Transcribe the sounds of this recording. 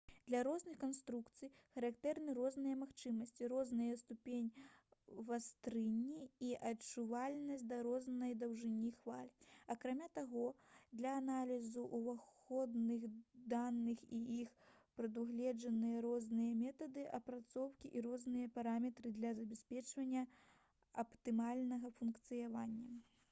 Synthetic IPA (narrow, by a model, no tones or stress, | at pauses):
d̪̥lʲɐɾɔznɨxkɐnst̪ɾukt̪sɨjxɐɾakt̪ɛrnɨɾɔznɨjɐmaxt͡ʂɨmɐsʲt͡sʲiɾɔznɨjɐst̪upʲenʲ | vast̪ɾɨnʲːiiʔɐt͡ʂuvalʲnɐsʲtʲd̪ɐɾɔznɐjd̪ɐwʐɨnʲixvalʲiɐkɾamʲat̪aɣɔd̪lʲɐːnalʲizuʔuvaxɔd̪nɨɣd̪anːɨxiixpɾɐd̪uɣlʲɛd͡ʐɐnɨjɐɾɔznɨjɐmʲɛt̪ɐd̪ɨʔɐpɾat̪sɔwkʲiʔiɾɔznɨjɐpaɾamʲɛt̪ɾɨd̪lʲɐzɐbʲɛsʲpʲɛt͡ʂvɐnʲːɐ | ɐpt̪ɨmalʲnɐɣɐfunkt̪sɨjavanʲːɐ